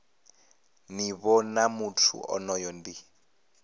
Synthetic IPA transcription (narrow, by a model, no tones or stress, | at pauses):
niβɔnamutʰṵʔɔ̰nɔjɔndi